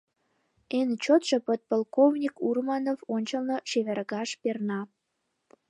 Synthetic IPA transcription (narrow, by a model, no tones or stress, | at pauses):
ent͡ɕot̪ʃəpət̪̚polkovnʲikurmɑnovonʲt͡ɕəlnoʃeβerɣɑʃpernɑ